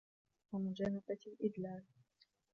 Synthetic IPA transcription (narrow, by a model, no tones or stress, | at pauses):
wamʊd͡ʒaːnabaʔɪd̪laːl